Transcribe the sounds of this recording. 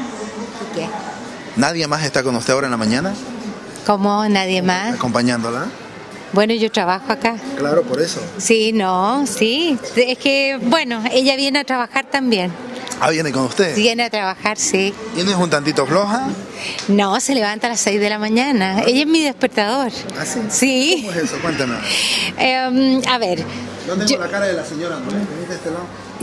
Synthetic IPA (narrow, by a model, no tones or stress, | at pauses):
ike | naðjemase̞st̪akonust̪eaoɾaenlamãɲana | komonaðjemasakompaɲãnd̪ola | bwe̞noʝo̞tɾaβaxoakaklaɾopoɾesosinosiehkebwe̞noeʎaβje̞neat̪ɾaβaxaɾt̪ambjen | a̰βjenekonust̪eðejeneat̪ɾaβaxaɾsit̪jenesunt̪ant̪̬it̪ofloxa | nose̞leβant̪alasejzðelamaɲanaeʎaezmiðespeɾt̪aðoɾ | asisiesesokwent̪anosemaβe̞ɾ | d̪ot̪eoolakaɾaðelaseɲoɾanokemit̪est̪elo